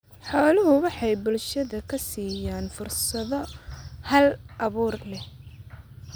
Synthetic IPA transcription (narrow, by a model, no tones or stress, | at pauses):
ħɔːlʊɦʊwɑħɑjbʊlʃɐðɐkʰɐsiːjaːnfʊrsɐðɔhɐlʔɐβuːrlɛh